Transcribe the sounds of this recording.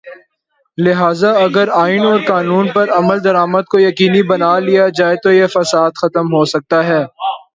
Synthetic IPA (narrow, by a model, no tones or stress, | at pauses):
lɪɦaːzaɐɡəɾaːɪnɔːɾkaːnuːnpɐɾɐməld̪ɐɾaːməd̪̚kojɐkiːnibɐnaːlijad͡ʒaːet̪ojefɐsaːd̪xɐt̪əmɦoːsɐk̚t̪aɦɛː